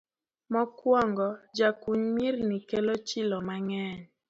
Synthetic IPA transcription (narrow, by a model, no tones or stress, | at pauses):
mɔkwɔŋɡɔd͡ʒakuɲmirnikelot͡ʃɪlɔmaŋɛɲ